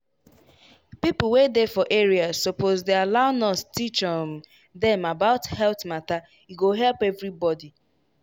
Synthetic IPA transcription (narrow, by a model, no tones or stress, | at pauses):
pipl̩wedefɔʔeɹiazːopozdealaʊnɔstit͡ʃɔn | d̪ɛ̃mabaʊthɛlθmata | iɡoɦɛlpɛvɾibɔdi